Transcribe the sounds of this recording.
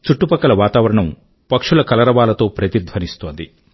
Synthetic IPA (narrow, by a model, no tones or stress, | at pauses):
t͡ʃuʈːupɐkːɐlɐʋaːt̪aːʋɐɾɐɳɐm | pɐkʂulɐkɐlɐɾɐʋaːlɐt̪o̞ːpɾɐt̪id̪ʱʋɐnist̪o̞ːnd̪i